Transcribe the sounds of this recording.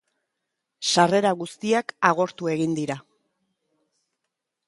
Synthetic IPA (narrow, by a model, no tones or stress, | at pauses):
ʃare̞ɾaɣust̪iakaɣ̞o̞ɾt̪ue̞ɣind̪iɾa